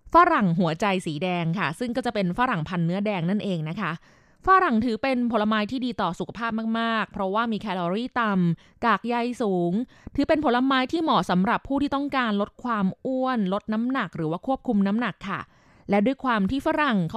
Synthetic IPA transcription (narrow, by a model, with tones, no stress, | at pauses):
faː˦˥ɾa˨˩ŋɦu˩˦ɐt͡ɕa˧jsiː˩˦dɛː˧ŋkʰa˥˩sɯ˥˩ŋkɔː˥˩t͡ɕa˨˩pe˧nfa˦˥ɾa˨˩ŋpʰa˧nːɯ˦˥ɐdɛː˧ŋna˥˩nʔeː˧ŋna˦˥kʰa˦˥ʔ | faː˦˥ɾa˨˩ŋt̪ʰɯː˩˦pe˧npʰo˩˦la˧maː˦˥jt̪ʰiː˥˩diː˧t̪ɔː˨˩su˨˩kʰa˧pʰaː˥˩p̚maː˥˩k̚maː˥˩k̚pʰɾɔ˦˥waː˥˩miː˧kʰɛː˧lɔː˧ɾiː˥˩t̪a˧m | kaː˨˩k̚ja˧jsuː˩˦ŋ | t̪ʰɯː˨˩˦pe˧npʰo˩˥la˧maː˦˥jt̪ʰiː˥˩mɔː˨˩sa˩˦mɾa˨˩pʰːuː˥˩t̪ʰiː˥˩t̪ɔ˥˩ŋkaː˧nlo˦˥t̪̚kʰwaː˧mʔu˥˩ənlo˦˥t̪̚na˦˥mna˨˩k̚ɾɯː˩˦waː˥˩kʰu˥˩əp̚kʰu˧mna˦˥mna˨˩kʰːa̰˥˩ | lɛ˦˥du˥˩əjkʰwaː˧mt̪ʰiː˥˩fa˦˥ɾa˨˩ŋk